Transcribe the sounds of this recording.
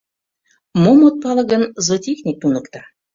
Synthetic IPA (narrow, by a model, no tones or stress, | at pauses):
momot̪̚pɑlɤ̆ɣə̆nzɤt̪ʲexnʲik̚t̪unɤ̆kt̪ɑ